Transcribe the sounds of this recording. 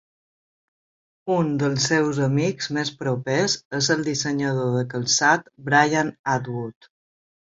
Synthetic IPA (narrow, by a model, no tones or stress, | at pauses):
und̪əlˠsːewzəmikzmespɾopezezəlˠd̪isəɲəðoðəkəlˠsat̪bɾajanad̪wut̪